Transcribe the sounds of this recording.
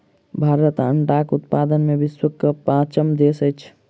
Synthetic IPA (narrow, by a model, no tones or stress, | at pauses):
bʱaːɾət̪ə̰ɳʈakʊt̪paːd̪ənmebɪswəkːəpãːt͡ʃəmd̪eːsəjt͡ʃʰ